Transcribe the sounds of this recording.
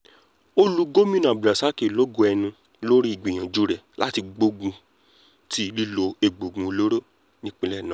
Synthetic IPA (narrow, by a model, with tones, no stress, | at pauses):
o˦lu˧˦ɡo˦mĩ˦nã˨bɾa˨sa˦ke˨lo˦ɡo˧ɛ˧nũ˧ | lo˦ɾi˦i˦˨ɡ͡bi˨j̃ã˨d͡ʒu˨˦ɾɛ˨lʔa˦ti˧ɡ͡bo˧ɡũ˧ | tʰi˧˦li˦lo˧e˨ɡ͡bo˨ɡũ˨˦o˧lo˦ɾo˦ | nĩ˦k͡pĩ˧˦lɛ˦˨nã˨˦